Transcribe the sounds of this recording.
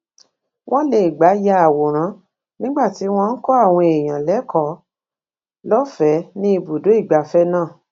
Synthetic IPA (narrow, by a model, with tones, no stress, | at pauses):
w̃ʔɔ̃˦le˨i˨ɡ͡ba˨˦ja˧a˨wo˨ɾ̃ã˨˦ | nĩ˦ɡ͡ba˦˨ti˨˦w̃ɔ̃˧n̩˦kɔ˦a˦˨w̃ɔ̃˧e˨j̃ã˨lɛ˨˦kʰɔ˨˦ | lɔ˦fɛ˨˦nĩ˦i˧bu˨do˨˦i˦˨ɡ͡ba˨˦fɛ˦nãː˦˨